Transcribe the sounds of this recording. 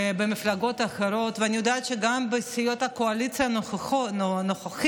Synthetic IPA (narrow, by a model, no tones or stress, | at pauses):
bemiflaɡo̞t̪aχeɾo̞t̪veanʲijod̪aːt̪ʃeɡambesijo̞t̪hakoalit̪t͡sija | noχax